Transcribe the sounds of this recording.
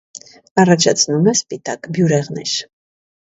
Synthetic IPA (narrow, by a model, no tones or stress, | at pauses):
ɑrɑt͡ʃʰɑt͡sʰnumɛspit̪ɑkbjuɾɛʁnɛʃ